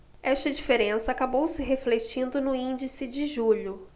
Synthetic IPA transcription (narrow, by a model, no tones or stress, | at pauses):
ɛʃt̪ɐd͡ʒifeɾẽsɐːkabowsɪɦeflet͡ʃĩnd̪ʊnʊĩd͡ʒisɪd͡ʒɪʒuʎʊ